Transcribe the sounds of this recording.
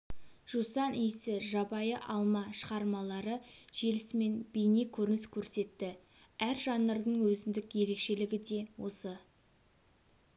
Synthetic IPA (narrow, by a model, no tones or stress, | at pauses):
ʒ̥usɑnʔijsɪʒɑbɑjəʔɑlˠmɑʃəʁɑɾmɑlˠɑɾəʒ̥e̞lɪsme̞nbejnekʲʰɵɾɪnɪskʲʰɵɾse̞t̪ːɪ | æɾʒɑnːəɾd̪əɴwɵzɪnd̪ɪkje̞ɾe̞kʃe̞lɪɡʲɪd̪e̞wo̞̰sə